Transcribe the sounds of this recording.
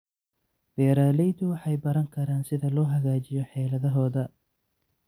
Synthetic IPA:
b̥ɛːɾaːlɛjd̪ʊwɑħɑjbɐɾɐŋkʰɐɾaːnsɪðɐlɔːɦɐɣaːt͡ʃɪjɔħɛːlɐðɐɦɔːðɐ

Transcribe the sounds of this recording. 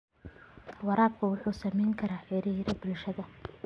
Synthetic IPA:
wɑɾaːb̚kʰʊwʊħuːsɐmɛjŋkʰɐɾaːħɪɾiɾɐbʊlʃɐðɐ

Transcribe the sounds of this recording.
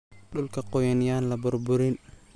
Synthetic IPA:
ɗʊlkɐqɔjɐnjanlɐbʊrbʊɾɪn

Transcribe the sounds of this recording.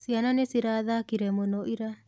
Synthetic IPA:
siananesiɾaðaːkiɾemonoʔiɾa

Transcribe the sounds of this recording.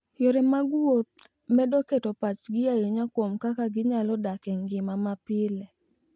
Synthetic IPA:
joɾɛmaɡwot̪̚ | mɛdoketɔpat͡ʃɡɪjajoɲakwomkakaɡɪɲalɔdakɛŋɡɪmamapɪlɛ

